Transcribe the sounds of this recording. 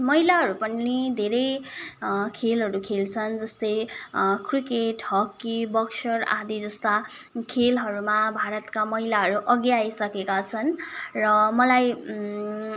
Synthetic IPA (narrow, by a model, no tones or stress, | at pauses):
mʌɦilaɦʌɾupʌnnid̪ʱeɾʌj | kʰelɦʌɾukʰelt͡sʰʌnd͡zʌst̪ʌjkrikeʈɦʌkːibʌksʌra̰ɦd̪id͡zʌst̪akʰelɦʌɾumabʱaɾʌt̪kamʌɦilaɦʌɾuʔʌɡjajsʌkekat͡sʰʌnrʌmʌlaj